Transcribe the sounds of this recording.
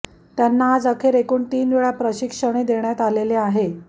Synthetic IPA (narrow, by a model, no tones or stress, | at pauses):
t̪janːaːd͡zəkʰeːɾekuːɳt̪iːnʋeɭapɾəɕikʂəɽ̃ed̪eɳjat̪aleleaɦe